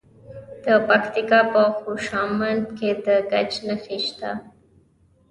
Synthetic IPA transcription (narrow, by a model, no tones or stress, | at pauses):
d̪̥əpakt̪ikɑpəxoʃɑmand̪ked̪əɡat͡ʃnəxiʃt̪a̰